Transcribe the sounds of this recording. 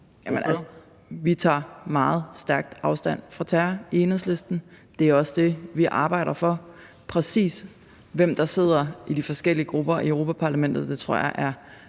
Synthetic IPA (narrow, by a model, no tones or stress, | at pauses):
jæmenʔæls | ʋit͡sʰɑ̰̈ːmɑ̈ːð̞̩ˠsd̥æɐɡ̥̚d̥ʔɑ̈ʊsd̥æn̰fʁɑ̈t͡sʰæːɐenhˠsle̝sd̥n̩ | d̥e̝æɐɒ̽sd̥e̝ʋiʔɑ̈ːb̥ɑ̈ɪ̰ɾɐfɒ̽ | pʰʁɛsḭːs | ʋem̰d̥ɑ̈se̝ð̞̰ˠɐid̥ifɒ̽sɡ̥el̰iəɡ̥ʁub̥ɐiœʊʁo̝ːpʰæpʰɑ̈ːlæmen̰d̥ð̞̩ˠd̥e̝t͡sʰʁo̝ɐ̰jɑʔæɐ